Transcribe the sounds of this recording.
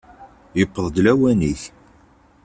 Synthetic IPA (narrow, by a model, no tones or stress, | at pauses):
jəpːəðˤd̪læwæniç